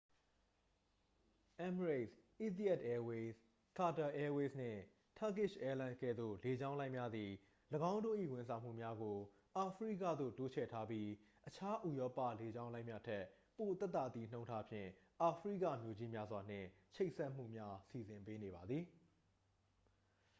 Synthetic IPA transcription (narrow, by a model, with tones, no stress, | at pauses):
ʔɛ̃˦məɹe˦˨sʔi˦t̪i˦ɛ˦˨tʔɛ˦we˦s | ka˨ta˨ʔɛ˦we˦sn̥ɪ̰̃˦˨ | tʰa˦kɪ˦˨ʃʔɛ˦lã˦kɛ̰˦˨d̪o̰˦˨le˨d͡ʑã˦ʊ̃lã˦ɪmja˦d̪i˨ | ləɡã˦ʊ̃ndo̰˦˨ʔḭ˦˨wɪ̃˨ns̬ã˨m̥ṵ˦˨mja˦ɡo˨ | ʔa˨pʰɹḭ˦˨ka̰˦˨d̪o̰˦˨to˦t͡ɕʰɛ̰˦˨tʰa˦pji˦ | ʔət͡ɕʰa˦ʔu˨jɔ˦pä̰˦˨le˨d͡ʑã˦ʊ̃lã˦ɪ̃mja̰˦˨tʰɛ˦˨ʔ | po˨t̪ɛ˦t̪ːa̰˨t̪i˦˨n̥õ˦ʊ̃ntʰa˦pʰjɪ̰̃˦˨ʔa˨pʰɹḭ˦˨kä̰˦˨mjo˨d͡ʑi˦mja˦zwa˨n̥ɪ̰̃˦˨ | t͡ɕʰe˦ɪʔsɛ˦ʔm̥ṵ˦˨mja˦si˨zɪ̃˨mpe˦ne˨ba˨d̪ði˨